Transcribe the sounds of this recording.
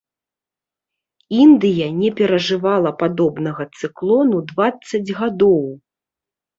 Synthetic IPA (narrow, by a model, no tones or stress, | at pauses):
ind̪ɨjɐnʲɛpʲɛɾɐʐɨvalˠɐpad̪ɔbnɐɣɐt̪sɨklˠɔnud̪vat̪sɐd͡zʲɣad̪ɔw